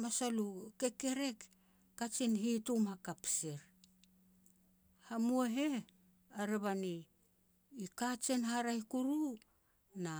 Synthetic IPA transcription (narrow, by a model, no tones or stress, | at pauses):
masaluke̞ke̞ɾe̞kː | at͡ʃinɦitumhakapseɾ | hamueɦe̞ | aɾeβaniː | kat͡ʃe̞nhaɾajkuɾu | na